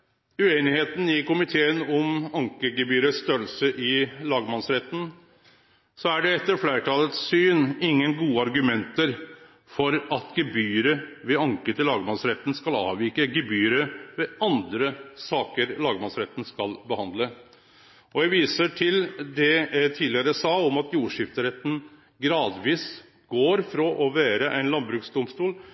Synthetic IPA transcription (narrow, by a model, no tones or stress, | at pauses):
ʉeːnɪheːt̪n̩ɪkʊmɪt̪ʰeːənɔmɑŋkəɡɛbyːɾəsst̪œɾəlsəʔɪlɑːɡmɑnsɾɛt̪ːn̩ | sɔæɖɛɛt̪ːəɾflæːɾʈʰɑːlət̪sːyːnɪŋːənɡuːəɑɾɡʉmɛnt̪əɾ | fɔɾɑt̪ɡɛbyːɾəʋɛɑŋkət̪ʰɪlɑːɡmɑnsɾɛt̪ːn̩skɑlɑ̰ːʋiːkəɡɛbyːɾəʋɛɑnd̪ɾəsɑːkəɾlɑːɡəmɑsɾɛt̪n̩skɑlbəhɑnd̪lə | ɔjæʋiːsəʈʰɪld̪ɛæt̪ʰiːlɪəɾæsɑːɔmɑt̪juːʂɪft̪əɾɛt̪ːn̩ | ɡɾɑːd̪ʋiːs | ɡ̥oːɾfɾɔʔɔʋeːɾəʔæɪnlɑnbɾʉːksd̪ʊmst̪uːl